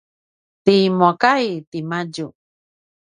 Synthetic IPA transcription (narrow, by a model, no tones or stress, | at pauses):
t̪imokajt̪imad͡ʒu